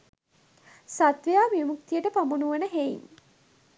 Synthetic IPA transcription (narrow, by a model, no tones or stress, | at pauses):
sat̪ʋejaːmimuk̚t̪ijəʈəpamunuʋənəɦeḭɲ